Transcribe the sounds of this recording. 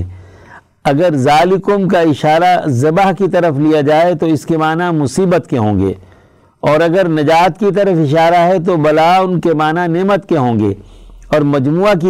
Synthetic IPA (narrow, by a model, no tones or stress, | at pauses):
ɐɡəɾzaːlɪkʊmkaɪʃaːɾazɐbaɦkit̪ɐɾəflijad͡ʒaːet̪oɪskemaːnamʊsiːbət̪keɦõːŋɡḛː | ɔːɾɐɡəɾnɐd͡ʒaːt̪kit̪̬ɐɾəfɪʃaːɾaɦɛt̪̬obɐlaːʊnkemaːnaneːmət̪keɦõːŋɡḛːɔːɾmɐd͡ʒmuːaki